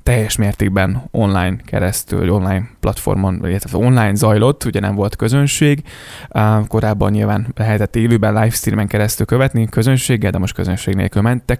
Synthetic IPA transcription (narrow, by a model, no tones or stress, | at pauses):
t̪ɛjːɛʃmeːrt̪eːɡ̚bɛno̞nlaːjnkɛ̰ɾɛst̪y̰lvɒ̰ɟo̞nlaːjnplɒt̪fo̞̰rmonḭlɛt̪ɛt̪ːo̞nlaːjnzɒjlo̞t̪ːuɟɛnɛɱvo̞lt̪kø̞zønʃeːɡ | ko̞ɾaːbːɒ̰ɲːɲilvaːnlɛɦɛt̪ɛt̪ːeːløːbɛnlajfst̪iːrmɛŋkɛɾɛst̪ylkø̞vɛt̪nikø̞zø̞nʃeːɡːɛld̪ɛmo̞ʃt̪køzønʃeːɡnḛlkylmɛnt̪ːɛk